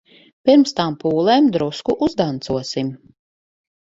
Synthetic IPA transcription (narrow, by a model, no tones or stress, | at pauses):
piɾmst̪aːmpuːlˠeːmd̪ɾuskuʔuzd̪ant̪suɔsim